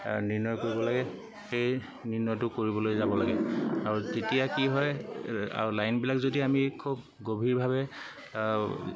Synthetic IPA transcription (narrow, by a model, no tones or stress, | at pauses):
niɹnɔjkoɹibɔlaɡɛ | xej | niɹnɔjtʊkoɹibɔlojzabɔlaɡɛaɹutetijakiɦɔja̰ɹulajnbilakzodiamikʰub̚ | ɡobʱiɹbʱabɛ